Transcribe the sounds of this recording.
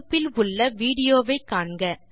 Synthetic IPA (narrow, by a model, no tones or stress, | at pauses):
pːɪlʊɭːɐʋiːɽɪjoːʋɐɪkːaːɳɡɐ